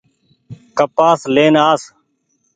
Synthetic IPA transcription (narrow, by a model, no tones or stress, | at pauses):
kəpaːsleːnaːs